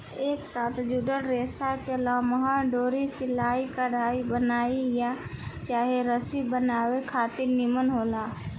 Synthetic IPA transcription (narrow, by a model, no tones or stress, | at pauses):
eːksaːt̪ʰd͡ʒuɖənɾeːsakeɐlaːməɦaɖoːɾisɪlaːikəɽaːibənaːijat͡ʃaːɦeɾəsibənaːwekʰaːt̪ɪɾnimənɦoːlaː